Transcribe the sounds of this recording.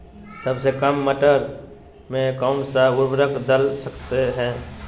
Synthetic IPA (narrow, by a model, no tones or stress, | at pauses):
səbsekəmːəʈəɾ | mẽkaːmsaʊɾbɾəkd̪əlsəkt̪eɦɛ̃ː